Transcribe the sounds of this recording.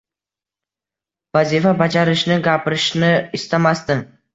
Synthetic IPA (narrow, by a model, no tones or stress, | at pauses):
vazifabad͡ʒaɾɪʃnɪɡʲapɾɪʃnɪist̪amast̪ə